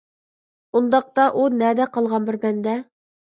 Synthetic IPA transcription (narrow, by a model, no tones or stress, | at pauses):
und̪ɑq̚t̪ɑʔunæd̪æqɑlˠʁɑnbɘ̆ɾbænd̪æ